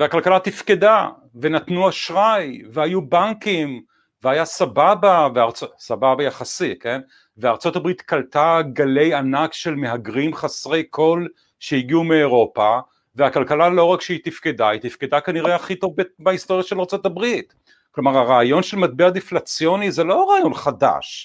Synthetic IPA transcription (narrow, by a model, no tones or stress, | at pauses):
veakalkalat̪ifkeda | venatnuaʃʁajvehajubaŋkim | veajasababaveaʁt͡sosababajaχasike̞n | veaːʁt͡so̞tabʁitkaltaɡale̞janakʃe̞lme̞ɦaɡʁimχasʁe̞jkʰo̞l | ʃejiɡiumeːʁo̞pa | veakalkalalo̞ʁakʃeit̪ifkedait̪ifked̪akaniʁeaχito̞vbebaist̪o̞ʁjaʃelaʁt͡so̞tabʁit | klo̞maʁaʁaːjo̞nʃelmat̪̚bead̪iflat͡sjo̞nizelo̞aʁaːjo̞nχada̰ʃ